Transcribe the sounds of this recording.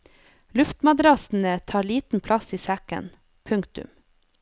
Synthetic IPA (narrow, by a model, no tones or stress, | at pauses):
lʉft̪mɑd̪ɾɑsn̩ət̪ʰɑːɾɭiːt̪n̩pʰlɑsiːsækə̰n | pʰʉŋkt̪ʉ̰m